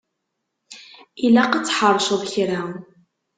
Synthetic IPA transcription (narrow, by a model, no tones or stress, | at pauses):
ilæqət͡sːħəɾˤːʃəðˤçɾæ